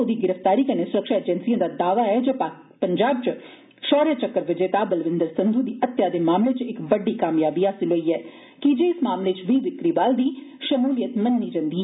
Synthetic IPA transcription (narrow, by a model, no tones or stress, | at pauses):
od̪iːɡɪɾəfʰt̪aːɾiːkəneːsʊɾəkʃaːɪd͡ʒɛnsijãːd̪aːd̪aːʋaːɛːd͡ʒeː | pəɲd͡ʒaːb̚t͡ʃ | ʃɔːɾjaːt͡ʃəkːəɾʋɪd͡ʒeːt̪aːbəlʋɪ̃nd̪əɾsɪnd̪ʱuːd̪iːʔət̪ːjaːd̪eːmaːmleːt͡ʃɪkʋəɖiːkaːmjaːbiːɦaːsɪlɦoːiːɛː | kid͡ʒeːɪsmaːmleːt͡ʃʋiːd̪ɪkɾiːbaːld̪iːʃəmuːlijət̪mənːiːd͡ʒə̃nd̪iː